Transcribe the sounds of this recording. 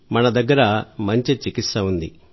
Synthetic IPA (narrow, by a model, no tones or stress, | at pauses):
mɐnɐd̪ɐɡːɐɾɐmɐɲt͡ʃit͡ʃikist̪ɐund̪i